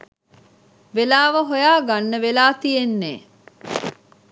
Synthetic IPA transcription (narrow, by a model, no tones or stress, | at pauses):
ʋelaːʋɐɦojaːɡɐnːəʋelaːt̪ienːeː